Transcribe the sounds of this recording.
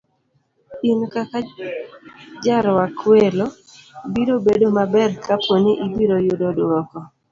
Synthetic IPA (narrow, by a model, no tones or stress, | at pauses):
inkaka | d͡ʒaɾwakwelo | biɾobedomabɛrkapwoniʔibiɾojʊdodwɔkɔ